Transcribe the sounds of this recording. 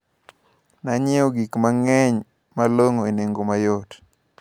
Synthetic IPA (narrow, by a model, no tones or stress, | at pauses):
naɲɪoɡikmaŋɛɲ | maloŋoeneŋɡomajot